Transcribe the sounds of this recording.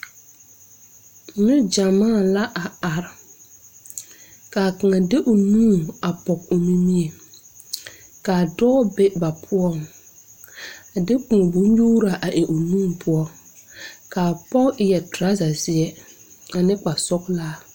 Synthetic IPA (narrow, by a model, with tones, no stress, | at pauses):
mɪ˦d͡ʒa˨maː˦˨la˦ʔa˨a˨ɾ | kaː˨ka˨ŋa˨dɪ˦ʔʊ˨nũː˦˨a˨pɔ˨k̚ʊ˨mi˦mi˦e˨ | kaː˨dɔː˦be˦ba˨pʰʊ˦ɔ˦ŋ | a˨dɪ˦kũ˨bu˨˦ɲjuː˦ɾa˨ʔa˨ʔɪ˨ʔʊ˨nũː˦˨pʰʊ˦ɔ˦ | kaː˨pɔ˦ɪ˨jɛ˨tɾa˦za˨zɪ˦ɛ˦ | a˨nɪ˦k͡pa˨sɔ˦klaː˦˨